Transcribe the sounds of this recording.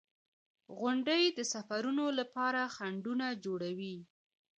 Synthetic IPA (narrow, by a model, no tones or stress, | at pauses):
ɣʊɳɖəjd̪əsafaɾunolapɑɾaxaɳɖunad͡ʒoɽawi